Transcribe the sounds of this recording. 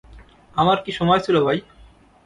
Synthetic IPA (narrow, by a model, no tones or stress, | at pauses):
amaɾkiʃɔmɔjt͡ɕʰilobʱaj